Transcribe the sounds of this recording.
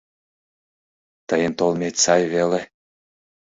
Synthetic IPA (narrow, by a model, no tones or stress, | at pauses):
t̪əjənt̪olmʲet̪ʲsɑjvele